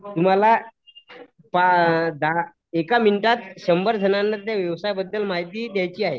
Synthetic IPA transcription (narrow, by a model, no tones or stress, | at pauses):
t̪um̤ala | pad̪a | ekaminiʈat̪ɕəmbəɾd͡zʱənanːət̪jaʋjəʋsajbəd̪ːəlmaɦit̪iːd̪jajt͡ɕiːaɦe